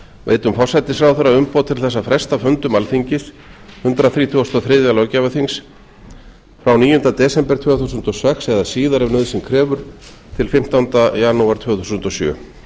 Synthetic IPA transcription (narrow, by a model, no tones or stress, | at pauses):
vḛjt̪ʏmfɔrsajt̪ɪsɾawθœɾːaʏmpowt̪ʰɪlθɛs̬ːafɾɛst̪afʏnt̪ʏmalfiɲcɪθ | hʏnt̪ɾaθɾiːt̪ʰuast̪ɔθɾɪðjalɔcavaθiŋs | fɾawniːjʏnt̪at̪ɛːsɛmpɛɾ̥t̪ʰvœːθusʏnt̪ɔsɛksɛðasiːðaɾɛvnœːðsɪmkʰɾɛːvʏɾ̥ | t̪ʰɪlfɪm̥t̪ant̪ajanuaɾt̪ʰvœːθusʏnt̪ɔsjœ̰ː